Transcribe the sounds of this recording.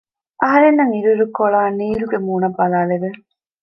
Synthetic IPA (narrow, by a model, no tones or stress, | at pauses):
ʔɐɦɐɾenːɐŋiɾuɾukoɭaːniːɾuɡemuːnɐbɐlaːleʋɯ